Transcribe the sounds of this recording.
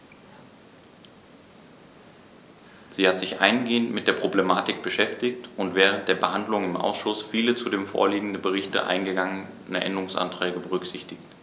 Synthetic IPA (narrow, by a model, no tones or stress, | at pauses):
z̥iːhatz̥ɪçʔa̰ɪnɡeːəntmɪtd̥eːɐpʁ̥oblemaːtɪk̚b̥əʃɛftɪçtʊntv̥ɛːʁənt̚d̥eːɐbəhandlʊŋɪmʔa̰ʊsʃʊsfiːlət͡sudeːmfo̰ːɐliːɡŋ̩dəbəʁɪçtə̰ʔa̰ɪnɡəɡaŋən | ɛɐʔɛ̰ndəʁʊŋsʔa̰ntʁ̥ɛːɡəbəʁ̞ʏkz̥ɪçtɪçt